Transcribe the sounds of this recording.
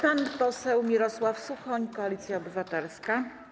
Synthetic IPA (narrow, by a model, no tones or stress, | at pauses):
anpɔsɛwmʲiɾɔswafsuxɔɲkɔalʲit̪sʲjaɔbɘvat̪ɛlska